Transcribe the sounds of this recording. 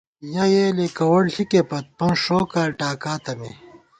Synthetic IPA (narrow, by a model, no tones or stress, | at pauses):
jɐjelekɐwɐɽɬikepɐt̪̚pɐ̃nʂoːkaːlʈaːkaːt̪ɐmḛ